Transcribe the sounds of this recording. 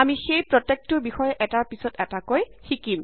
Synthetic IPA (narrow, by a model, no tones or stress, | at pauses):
amixejpɹɔtek̚tʊɹbixɔjɛʔɛtaɹpisɔtɛtakojxikim